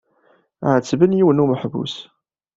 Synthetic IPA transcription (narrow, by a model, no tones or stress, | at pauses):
ʕət͡sːvənjiwənuməħvṵs